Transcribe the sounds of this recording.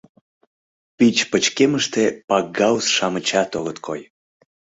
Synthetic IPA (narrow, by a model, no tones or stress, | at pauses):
pit͡ɕpət͡ɕkeməʃt̪epɑɡɡɑwsʃɑmət͡ɕɑt̪olət̪̚kʰo̰j